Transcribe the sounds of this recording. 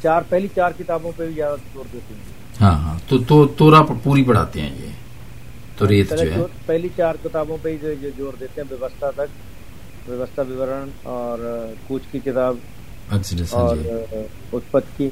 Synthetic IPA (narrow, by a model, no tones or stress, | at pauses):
t͡ʃaːɾpɛɦlit͡ʃaːɾkɪt̪aːbõpebʱizjaːd̪azoːɾd̪eːt̪eɦɛ̃ | ɦãːɦã̰ːt̪oːt̪oːt̪oːɾaːppuːɾiːpəɽ̤a̰ːt̪eɦɛ̰̃ːjḛː | t̪oːɾeːt̪ɛld͡ʒeoɦɛoːpɛɦlit͡ʃaːɾkɪt̪aːbõpeid͡ʒd͡ʒod͡ʒoːɾd̪eːt̪eɦɛ̃ʋjəʋəst̪ʰat̪ɐk̚ | ʋəʋəst̪ʰaʋɪʋəɾən | ɔːɾkuːt͡ʃkikɪt̪aːb | ɛːksɪɖə̃sɔ̃ːi | ʊt̪pət̪kiː